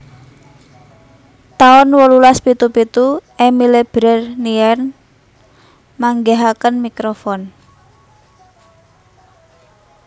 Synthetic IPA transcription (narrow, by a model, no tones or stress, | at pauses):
t̪aʊnwəlulaspit̪upit̪uʔemileb̥ɾɛrniɛn | maŋɡeɦakənmikɾofɔn